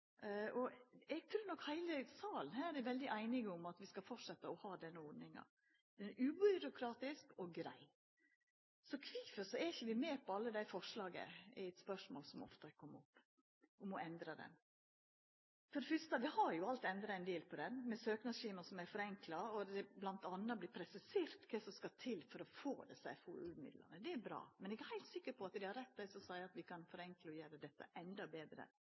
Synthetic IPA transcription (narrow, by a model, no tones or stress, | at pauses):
ɔɛɡ̚t̪ʰɾʉːnɔkhæɪləsɑːlən̩hæːɾɛʋɛld̪ɪʔæɪnɪɡəʊmɑt̪ʋɪskɑfɔʈʂɛt̪ːəɔhɑːd̪ɛnːəɔɖ̪nɪŋɑ̰ | d̪̥ɛnʔʉbʏɾʊkʰɾɑːt̪ɪskɔɡɾæ̰ɪ | sɔkʰʋiːfəsɔɛɪçəʋɪmeːpʰɔɑlːəd̪æɪfɔʂlɑːɡə̰ɪt̪spœʂmo̰ːlsɔmoɔ̰ft̪ɑɛkʰɔmːɔpː | ʊmɔɛnd̪ɾɑd̪ɛ̰n | fɔɖɛfʏst̪əʋɪhɑɾjʊɑlt̪ɛnd̪ɾɑɛɪnd̪eːlpʰɔd̪ɛnmɛsøːknɑsʃiːməsɔmæɪɾfɔɾɛŋklɑɔd̪ɛblɑnt̪ɑnːɑblɪpʰɾɛsɪseːɾt̪kʰɛsɔmskɑt̪ʰɪlːfɔɾɔfo̰ːd̪ɛsæ̰ɪfuʉ̰ːmɪ̰d̪lə̰nəd̪ɛːɾbɾɑ̰ːmɛnɛɡæhæɪlt̪sɪkːəɾpʰɔɑt̪d̪ɪhɑɾɛt̪̚ːd̪æɪsɔsɑɪɑt̪ʋɪkʰɑnfɔɾɛŋkləɔjøːɾəd̪ɛt̪ːə̰ʔɛnd̪ɑbeːd̪ɾə̰